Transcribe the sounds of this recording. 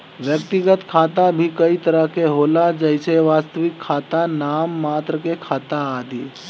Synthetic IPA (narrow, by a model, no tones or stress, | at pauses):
ʋjək̚t̪ɪɡət̪kʰaːt̪abʱikɐit̪ɐɾəɦkeɦoːlad͡ʒəɪseʋaːst̪əʋɪkʰːaːt̪anaːmːaːt̪ɾəkekʰaːt̪aaːd̪ʱiː